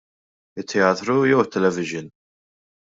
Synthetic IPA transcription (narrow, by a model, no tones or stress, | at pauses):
ɪt̪ʰːɛaːt̪ɾujɛwət̪ːɛlɛvɪʒɪn